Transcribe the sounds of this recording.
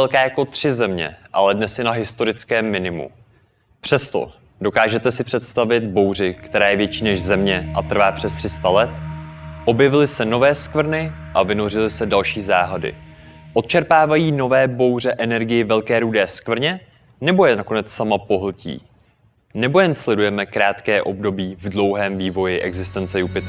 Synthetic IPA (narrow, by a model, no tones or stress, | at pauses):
ɛlkaːjako̞t̪r̝̥ɪzɛmɲɛ̰ʔa̰lɛdnɛsjɛnaɦɪst̪o̞ɾɪt͡skɛːmːɪnɪmṵ | pr̥ɛst̪o̞̰ | do̞kaːʒɛt̪ɛsɪpr̝̥ɛt̪st̪avɪt̪bowrɪkt̪ɛɾaːjɛvjɛt͡ʃiːnɛʒzɛmɲɛʔat̪r̩vaːpr̝̥ɛst̪r̥ɪst̪alɛt̪ʔo̞bjɛvɪlɪsɛno̞vɛːskvr̩nɪʔavɪno̞r̝ɪlɪsɛdalʃiːzaːɦadɪ̰ | ʔot̪̚t͡ʃɛɾpaːvajiːno̞vɛːbo̞wr̝ɛʔɛnɛɾɡɪjɪvɛlkɛːɾuːdɛːskvr̩ɲɛ | nɛbo̞jɛnako̞nɛt͡ssamapo̞ɦl̩cḭː | nɛbo̞jɛnslɛdujɛmɛkɾaːt̪kɛːʔo̞bdo̞biːvdlo̞wɦɛːmviːvo̞jɪʔɛ̰ɡzɪst̪ɛnt͡sɛjupɪt̪